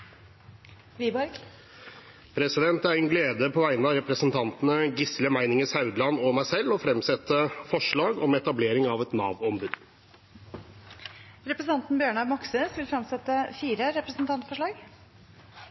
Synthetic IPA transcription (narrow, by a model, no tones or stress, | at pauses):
ʋiːbɔɾɡ | pʰɾɛsɪd̪ɛnt̪æɾɛnɡleːd̪əpʰɔʋæɪnɑɾɛpɾəsn̩t̪ʰɑnt̪nəɡɪsləmæɪnɪŋəsɑʉd̪lɑnɔmæɪsɛlɔfɾɛmsɛt̪ːəfɔʂɭɑːɡɔmɛt̪ɑbleːɾɪŋɑʋɛt̪nɑ̰ːʋɔmbʉd̪ | ɾɛpɾəsn̩ɑnt̪n̩bjøːɳɑɡmɑksəsʋɪlfɾɑmsɛt̪ːəfiːɾəɾɛpɾəsn̩t̪ʰɑnt̪fɔʂɭɑːɡ